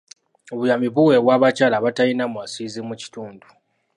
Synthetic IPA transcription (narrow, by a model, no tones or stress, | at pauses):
o̞βujamiβuwe̞βwaːβacalaβatajinamwasizimuci̥tuːndu